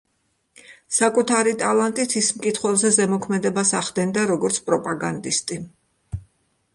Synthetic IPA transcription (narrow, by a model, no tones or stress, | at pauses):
sakʼut̪ʰaɾit̪ʼalˠant̪ʼit̪ʰismkʼit̪ʰχwɛlˠzɛzɛmɔkʰmɛd̪ɛbasaʁd̪ɛnd̪aɾɔɡɔɾt̪sʰpʼɾɔpʼaɡand̪ist̪ʼi